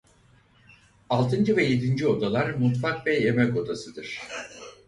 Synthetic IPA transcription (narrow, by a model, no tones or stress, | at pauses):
alˠt̪ʰɯnd͡ʒɯvɛje̞d̪ind͡ʒio̞d̪alˠaɾmut̪fakvɛjemɛko̞d̪asɯd̪ɯɾ̝̥